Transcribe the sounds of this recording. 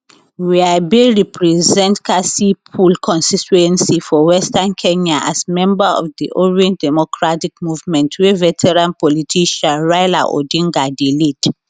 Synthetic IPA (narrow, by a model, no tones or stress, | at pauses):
wiabiɹipʰɹɛzɛ̃ntkʰasipʰulkʰɔ̃nstituɛ̃nsifɔwɛstãnkʰɛ̃ɲaʔa̰smɛ̃mbaɔ̰fdiʔɔɹiɛ̃ndɛmɔkʰɹatikmuvmɛ̃ntʰwɛvɛtʰɛɹãnpɔlitʰiʃãɹajla̰ʔo̰dĩŋɡadelid